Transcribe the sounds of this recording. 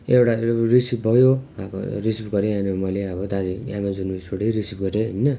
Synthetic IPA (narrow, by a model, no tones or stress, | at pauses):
ewʈarisip̚bʱʌjoʌbʌ̰risipɡʌɾeanumʌleʌbʌd̪ad͡ziamad͡zunusʰoɽiɾisipɡʌɾeɦʌjnʌ